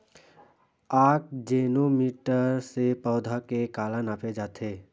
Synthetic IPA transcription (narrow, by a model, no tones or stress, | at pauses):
aːk̚d͡ʒeːnomiʈəɾsepəʊd̪ʱakekaːlənaːpʰed͡ʒaːt̪ʰe